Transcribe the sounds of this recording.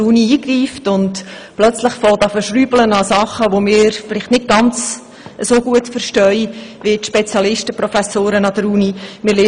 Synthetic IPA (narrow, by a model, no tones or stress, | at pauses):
uniiːɡriːftʊnd | plœt͡sləχfɔtɑfəʃryːblənɑsɑχəʋomɪːɾfɪlɪχtnɪt̚ɡ̥ɑnt͡s | ʔəsoːɡuətfəɾʃtœʏʋɪtʃpɛt͡sjɑlɪʃtəpɾɔfæsoːɾənɑd̥̪əɾunimɪːɾleː